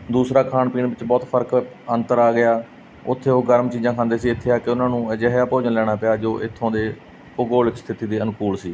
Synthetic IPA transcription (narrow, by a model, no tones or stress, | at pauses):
d̪uːsɾaːkʰaːnpiːɳʋɪt͡ʃbɔːt̪pʰəɾk | ə̃nt̪əɾaːɡɪjaː | ʊt̪ʰːeːoːɡəɾmt͡ʃiːzãːkʰãːnd̪eːsiːɪt̪ʰːeːaːkɪʊnãːnũːəd͡ʒəɦjaːpoːd͡ʒənlɛːɽ̃aːpɪjaːd͡ʒoːʔɪt̪ʰːõːd̪eː | oɡoːlɪkst̪ʰɪt̪iːd̪eːənkuːlsiː